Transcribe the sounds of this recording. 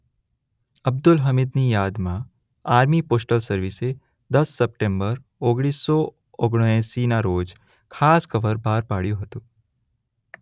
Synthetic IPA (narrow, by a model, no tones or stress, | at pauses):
ɐb̚d̪ʊlɦɐmɪd̪nijaːd̪mã | aːɾmipoːsʈəlsɐɾʋise | d̪ɐsːɐp̚ʈẽːmbəɾ | oːɡɽ̃iːsːɔ | oɡɽ̃ɛ̃ːsiːnaɾoːd͡ʒ | kʰaːskɐʋəɾbʱaːɾpaːɽ̤ijoɦɐt̪oː